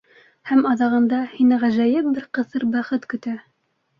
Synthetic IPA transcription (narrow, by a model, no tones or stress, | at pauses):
hæmɑðɑʁɤ̆nd̪ɑhinɘʁæʒæjɘp̚bɘɾqɤ̆θɤɾbæχɘt̪kɵ̆t̪æ